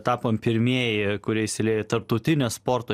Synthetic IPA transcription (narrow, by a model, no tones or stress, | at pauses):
t̪ɑːpoːmpʲɪɾʲmʲiɛjɪkʊɾʲiɛɪsʲɪlʲeɛːjot̪ɐɾp̚t̪ɐʊt̪ʲɪnʲospoːɾt̪oː